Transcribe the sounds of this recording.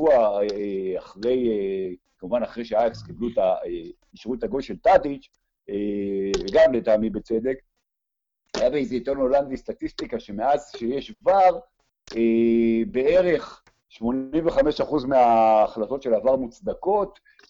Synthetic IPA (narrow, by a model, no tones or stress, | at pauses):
uaeeaχʁe̞je | kamuvanaχʁejʃeaefskiblut̪ae | iʃʁut̪aɡolʃe̞lt̪adit͡ʃ | eveɡamlet̪aːmibet͡se̞d̪e̞k | ajabeezejt̪eʁnoland̪ist̪at̪ist̪ikaʃe̞me̞azʃejeʃɡvaʁ | ebe̞e̞ʁe̞χ | ʃmo̞nimveχameʃaχuzmeaːχlat̪o̞tʃelavaʁmut͡sd̪ako̞t